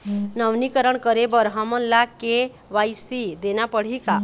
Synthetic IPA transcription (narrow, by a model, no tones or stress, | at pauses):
nəʋnikəɾəɳkəɾebəɾɦamənlake | ʋajsid̪enapəɽ̤ika